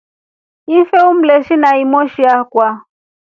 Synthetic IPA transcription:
ifɛum̩lɛʃinaimɔʃiakwa

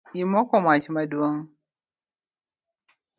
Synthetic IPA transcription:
imɔkɔmat͡ʃmadwoŋ

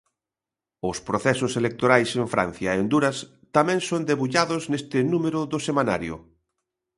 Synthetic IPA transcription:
ʊspɾoθɛsʊselek̚t̪oɾajseɱfɾa̰n̟θjɐend̪uɾɐs | t̪amɛ̃ŋsond̪eβuʎaðʊznest̪ɪnumeɾʊðʊsemana̰ɾjʊ̰

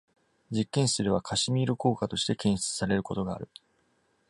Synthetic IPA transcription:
d͡ʑikːẽ̞ɰ̃sɨɾe̞βakʰaɕimʲiːɾɯ̟ko̞ːkat̪o̞ɕi̥t̪e̞kẽ̞ɰ̃ɕi̥t͡sɨ̥saɾe̞ɾɯ̟ko̞t̪o̞ɡa̰ːɾɯ̟

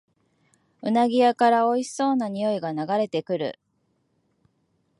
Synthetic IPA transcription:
ɯ̟naɡʲijakaɾao̞i̥so̞ːnaɲ̟ijo̞iɡanaɡaɾe̞t̪e̞kɯ̟ɾɯ̟̰

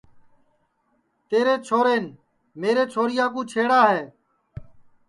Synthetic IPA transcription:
t̪eːɾeːt͡ʃʰoːɾeːn | meːɾeːt͡ʃʰoːɾɪjaːk̬ũːt͡ʃʰeːɽaːɦeː

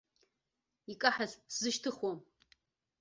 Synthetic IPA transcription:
ikʼaħazszɨʃtʰɨχwɔm

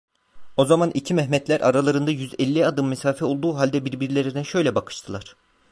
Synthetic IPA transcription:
o̞zamanʔicʰimɛɦmɛt̪lʲæɾʔa̰ɾalˠaɾɯnd̪ajyzɛlʲːiad̪ɯmːɛsaːfɛo̞lˠd̪uːɦalʲd̪ɛbiɾbiɾlʲeɾid̪ɛʃø̞jlʲɛbakʰɯ̥ʃt̪ʰɯlˠaɾ̥

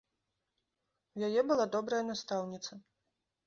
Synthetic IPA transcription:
jajɛbɨlˠad̪ɔbɾɐjɐnast̪awnʲit̪sɐ

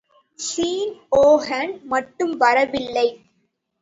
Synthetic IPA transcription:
siːnoːɦɐɳɖmɐʈːɯmʋɐɾɐʋɪlːɐɪ

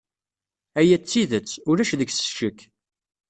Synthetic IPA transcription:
æjæt͡sːiðət͡sːʊɾæʃðəɡsə̥ʃəkː

